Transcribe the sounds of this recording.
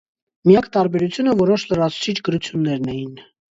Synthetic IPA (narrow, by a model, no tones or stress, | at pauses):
mijɑkt̪ɑɾbɛɾut͡sʰjunəvɔɾɔʃlərɑt͡sʰu̥t͡sʰit͡ʃʰɡəɾut͡sʰjunːɛɾnɛjin